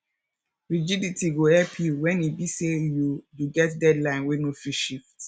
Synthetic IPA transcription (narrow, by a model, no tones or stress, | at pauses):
ɹid͡ʒiditʰiɡohɛlpʰjuwɛ̃nibisejujuɡɛtdɛdlãɪ̃nwɛnofiʃift